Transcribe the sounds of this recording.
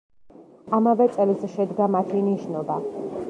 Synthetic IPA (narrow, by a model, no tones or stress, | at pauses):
amavɛt̪sʼɛlizɛʃɛd̪ɡamat̪ʰiniʃnɔba